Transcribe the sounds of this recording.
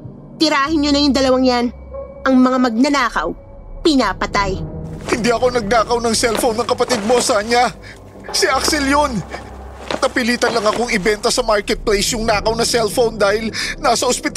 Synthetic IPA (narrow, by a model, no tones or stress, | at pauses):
t̪ɪɾaːhɪnɲonɐjʊŋd̪ɐlɐwaŋjan | ʔɐŋmɐŋamɐɡ̚nɐnaːkɐ̰w | pɪnaːpɐt̪ajhɪnd̪iʔɐko̞nɐɡ̚naːkɐwnɐŋsɛlfownɐŋkɐpɐt̪id̪̚mo̞sɐkɐɲa | siʔaksɛljon | k̪ɐpɪliːt̪ɐnlɐŋɐko̞ŋɪbɛnt̪osɐmaɹkɛt̪̚plejsjʊŋnaːkɐwnɐsɛlfownd̪aːhɪlnasɐʔospɪt̪